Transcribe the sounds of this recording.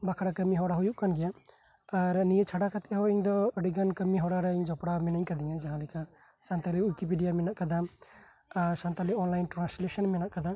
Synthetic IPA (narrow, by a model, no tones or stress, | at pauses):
bakʰaɽakəmiɦɔɽaɦujuʔkanɡɛja | aɾnijət͡ʃʰaɖakat̪ɛɦɔiɲd̪ɔəɖiɡankəmiɦɔɽaɾɛiɲd͡ʒɔpɽamɛnəɲkad̪iɲad͡ʒaɦãlika | sant̪aliujkipiɖijamɛnaʔkad̪a | sant̪aliɔnlajnʈɾanslɛsənmɛnaʔkad̪a